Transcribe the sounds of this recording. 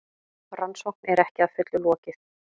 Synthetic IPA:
ransowknɛɾɛhcɪaðfʏt̪lʏlɔːcɪθ

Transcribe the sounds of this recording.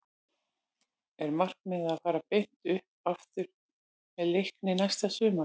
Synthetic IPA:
ɛɾmar̥k̚mɪðaðfaːɾapejn̥t̪ʏhp̚aft̪ʏɾ̥ | mɛðlejhknɪnajst̪asʏːma

